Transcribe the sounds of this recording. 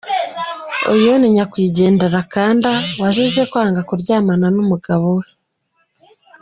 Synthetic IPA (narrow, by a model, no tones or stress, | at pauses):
o̰joniɲakwiːɟe̞ːndeɾakaːndawazizekwaːŋɡakuɾɟaːmananumuɡaβowe